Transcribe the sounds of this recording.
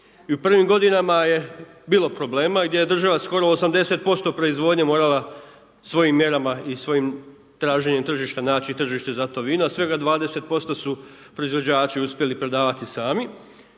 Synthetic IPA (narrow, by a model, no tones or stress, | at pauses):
iupr̩ʋimɡo̞d̪inamaje̞biːlˠo̞pɾo̞ble̞ːmaɡd̪je̞je̞d̪r̩ʒaʋasko̞ɾo̞ːsamd̪e̞se̞t̪̚po̞st̪o̞pɾo̞izʋo̞d̪ɲemo̞ːɾala | sʋo̞jimːje̞ɾamaisʋo̞jim | t̪ɾaːʒe̞ɲemt̪r̩ʒiʃt̪anaːt͡ɕit̪r̩ʒiʃt̪e̞zat̪o̞ʋiːnuasʋe̞ɡad̪ʋaːd̪e̞se̞t̪̚po̞st̪osu | pɾo̞izʋo̞d͡ʑaːt͡ɕiuspje̞lipɾe̞d̪aːʋat̪isaːmi